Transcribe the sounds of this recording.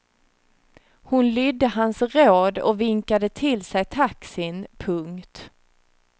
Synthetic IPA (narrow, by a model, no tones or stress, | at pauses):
hʊnlʏd̪ːəɦansɾoːd̪ɔ̰vɪŋkad̪ət̪ʰɪlsɛjt̪ʰaksɪnpʰɵŋkt̪